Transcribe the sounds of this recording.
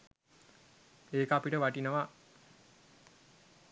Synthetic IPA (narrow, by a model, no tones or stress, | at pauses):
eːkapiʈəʋaʈinəʋa